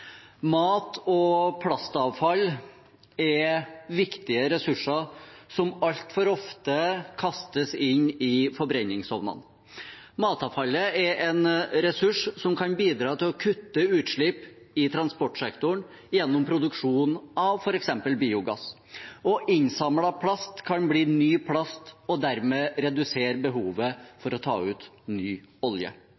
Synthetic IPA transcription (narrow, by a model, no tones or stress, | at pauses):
mɑːt̪ɔpʰlɑst̪ɑʋfɑlː | ɛɾʋɪkt̪ɪəɾɛsʉʂəɾsɔmɑlt̪fɔɾɔft̪əkʰɑst̪əsɪnːɪfɔɾbɾɛnːɪŋshɔʋnɑ̰n | mɑːt̪ɑːʋfɑlːəɛɾʔɛnɾɛsʉʂsɔmkʰɑnbiːd̪ɾɑːt̪ʰɪlɔkʰʉt̪ːəʉːt̪ʂɭɪp | ɪt̪ʰɾɑnspɔʈʂɛkt̪ʊɳ | jɛnːɔmpʰɾʊd̪ʉkʂuːnɑʋfɔɾɛksɛmpəlbiːʊɡɑ̰s | ɔʔɪnsɑmlɑpʰlɑst̪kʰɑnbliːnyːpʰlɑst̪ɔd̪æɾmeːɾɛd̪ʉseːɾbəɦuːʋəfɔɾɔt̪ʰɑ̰ːʉːt̪ | nyːɔljə̰